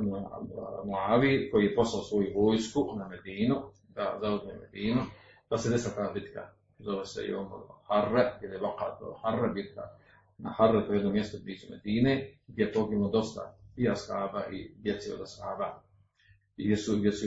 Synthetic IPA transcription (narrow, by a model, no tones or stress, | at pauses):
mojmuaːʋikojiːjepo̞slaosʋo̞juʋoːjskunamed̪iːnu | d̪a̰zauzmḛmed̪iːnu | d̪̥ased̪esilat̪aːbit̪ka̰ | zoʋesḛjo̰ːmoɾharːaɡjʲed̪ajeβaqa̰ːt̪o̰harːabit̪̚ka | na̰harːet̪ojed̪nomjest̪obliːsumed̪iːneɡd̪ʲjep̪oːɡiod̪o̞st̪a̰iaskaːbaʔid̪jet̪siod̪askaːba | iɡ̪ʲesuɡd̪ʲjesu